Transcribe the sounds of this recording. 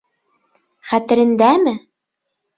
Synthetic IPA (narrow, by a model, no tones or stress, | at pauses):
χæt̪ɘ̆ɾɘ̆nd̪æmɘ